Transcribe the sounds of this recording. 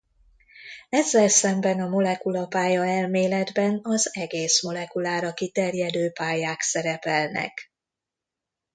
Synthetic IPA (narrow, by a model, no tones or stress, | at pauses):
ɛzːɛlsɛmbɛnɒmo̞lɛkulɒpaːjɒɛlmeːlɛd̪bɛnɒzɛɡeːsmo̞lɛkulaːɾɒkit̪ɛrjɛd̪øːpaːjaːksɛɾɛpɛlnɛ̰k